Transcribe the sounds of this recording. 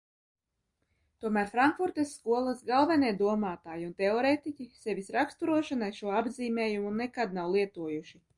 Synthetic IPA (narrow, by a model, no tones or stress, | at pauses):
t̪uɔmæːɾfɾaŋkfuɾt̪esːkuɔlˠɐsɡalˠvɛnɛːd̪uɔmaːt̪aːjiunt̪eɔɾet̪icʲisevʲisɾakst̪uɾuɔʃanajʃuɔabziːmʲɛːjumunɛkad̪̚nawlˠiɛt̪uɔjuʃi